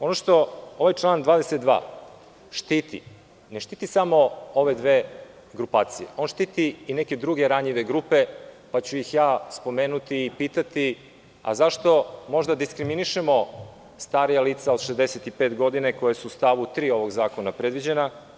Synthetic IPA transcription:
o̞noʃt̪o̞o̞ʋajt͡ʃlˠaːnd̪ʋaːd̪eset̪d̪ʋa̰ː | ʃt̪it̪ḭ | ne̞ʃt̪iːt̪isamo̞o̞ʋe̞d̪ʋeː | ɡɾupaːt̪sije̞̰o̞ːnʃt̪iːt̪iːne̞ke̞d̪ɾuɡe̞ɾaɲiʋe̞ɡɾupe̞ | pat͡ɕujixjaːspo̞meːnut̪iːpiːt̪at̪i | a̰zaʃt̪o̞mo̞ʒd̪ad̪iskɾiminiʃemo̞ | st̪aːɾijaliːt̪saod̪̥ʃezd̪eset̪ipe̞ːt̪ɡo̞d̪ineko̞jesuːst̪aʋut̪ɾiːo̞ʋo̞ɡzaːkonapɾe̞d̪ʋid͡ʑe̞na

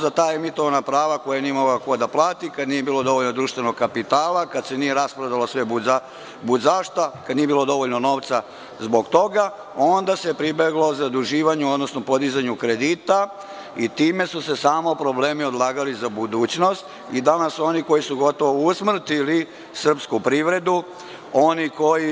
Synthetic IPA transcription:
zat̪aːemit̪oʋanapɾaːʋako̞janiemoɡlakod̪aplˠaːt̪ikad̪nije̞biːlˠo̞d̪o̞ʋoʎnod̪ɾuːʃt̪ʋe̞no̞ɡkapit̪aːlˠakad̪se̞nije̞ɾaspɾad̪alosʋe̞bua | buzaʃt̪akad̪nije̞bilo̞d̪o̞ʋoʎnono̞ːʋt̪sa | zbo̞ɡt̪o̞ɡa | o̞nd̪ase̞pɾibeɡlo̞zad̪uʒiːʋaɲuod̪nosnopo̞d̪izaɲukɾe̞d̪iːt̪a | it̪iːme̞susesaːmo̞pɾo̞ble̞ːmio̞d̪lˠaːɡalizabud̪uːt͡ɕno̞st̪ | id̪anaso̞niko̞jisuɡo̞t̪o̞ʋousmr̩t̪ili | sr̩pskupɾiʋɾe̞d̪u | o̞niko̞ji

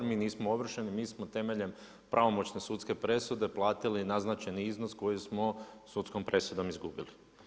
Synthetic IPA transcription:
miːniːsmooʋr̩ʃenimiːsmot̪e̞me̞ʎe̞m | pɾʔaʋo̞mo̞t͡ɕne̞sut̪ske̞pɾe̞sud̪eplˠaːt̪ilinaznat͡ʃeniiznosko̞jismosut̪sko̞mpɾʔe̞sud̪o̞mizɡubili

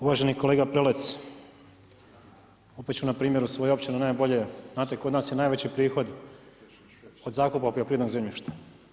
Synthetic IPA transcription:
uʋaʒe̞niko̞le̞ːɡapɾelet̪s | upet̪t͡ɕunapɾiːmjeɾusʋojuo̞pt͡ɕinunaːjbo̞ʎenaːt̪eko̞d̪naːsjenaːjʋet͡ɕipɾiːxo̞d̪ | od̪zaːkupapiopɾied̪noɡzemʎiʃt̪ḁ

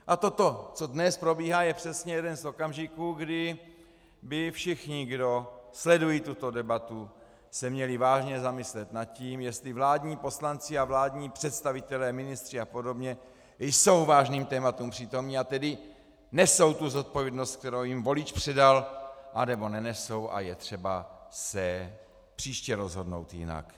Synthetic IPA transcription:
ʔat̪o̞t̪o̞t͡so̞dnɛspɾo̞biːɦaːjɛpr̝̥ɛsɲɛjɛdɛnzo̞kamʒɪkuːɡdɪ | bɪfʃɪxɲɪɡdo̞slɛdujiːt̪ut̪o̞dɛbat̪u | sɛmɲɛlɪvaːʒɲɛzamɪslɛt̪nat̪̚ciːmjɛst̪livlaːdɲiːpo̞slant͡sɪavlaːdɲiːpr̥ɛt̪st̪avɪt̪ɛlɛːmɪnɪst̪r̥ɪapo̞do̞bɲɛ | jso̞wvaːʒniːmt̪ɛːmat̪umpr̥iːt̪o̞mɲiːat̪ɛdɪ | nɛso̞wt̪uzo̞t̪̚po̞vjɛdnost̪̚k̚t̪ɛɾowjimvo̞lɪt͡ʃpr̥ɛdalʔanɛbo̞nɛnɛso̞wʔa̰jɛt̪r̝̥ɛbasɛ | pr̥iːʃcɛɾo̞zɦo̞dno̞̰wt̪jɪ̰na̰k

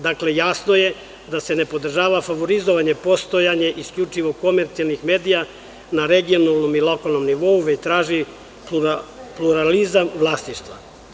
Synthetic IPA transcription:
d̪aklejasno̞je̞ | d̪ase̞nepo̞d̪r̩ʒaːʋafaʋo̞ɾizoʋaɲe̞po̞st̪ojaɲe̞ʔiskʎʲut͡ʃiʋo̞ko̞meɾt̪sijalnixme̞ːd̪ija | naɾeɡio̞nalˠnomilˠo̞kalˠno̞mniʋo̞uʋet͡ɕt̪ɾaːʒi | upluɾalizamʋlˠasniʃt̪ʋa̰

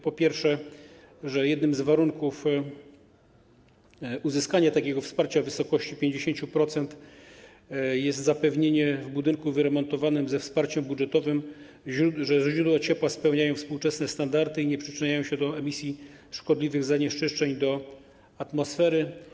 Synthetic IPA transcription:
pɔpʲjɛɾfʂɛ | ʐɛjɛd̪nɘmzvaɾuŋkuf | uzɘskaɲat̪akʲɛɡɔfspaɾt͡ɕavɘsɔkɔɕt͡ɕipʲjeɲd͡ʑeɕeɲt͡ɕupɾɔt̪sɛnt̪ | jɛst̪zapɛvɲeɲɛvbud̪ɘŋkuvɘɾɛmɔnt̪ɔvanɘmzɛfspaɾt͡ɕɛmbudʐɛt̪ɔvɘm | uʐɛzʑɾud̪wɔt͡ɕɛpwaspɛwɲajɔ̃w̃fspuwt͡ʂɛsnɛst̪and̪aɾt̪ɘiɲɛpʂɘt͡ʂɘɲajɔ̃w̃ɕɛd̪ɔɛmʲisʲji | ʂkɔd̪lʲivɘɣzaɲɛʂt͡ʂɘʂt͡ʂɛɲd̪ɔ | at̪mɔsfɛɾɘ

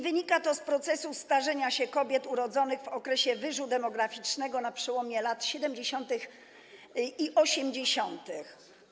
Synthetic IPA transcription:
vɘɲikat̪ɔspɾɔt̪sɛsust̪aʐɛɲaɕɛkɔbʲjɛt̪uɾɔd̪zɔnɘɣvɔkɾɛɕɛvɘʐud̪ɛmɔɡɾafʲit͡ʂnɛɡɔnapʂɛwɔmʲjɛlat̪ɕɛd̪ɛmd͡ʑeɕɔnt̪ɘx | iʔɔɕɛmd͡ʑeɕɔnt̪ɘx

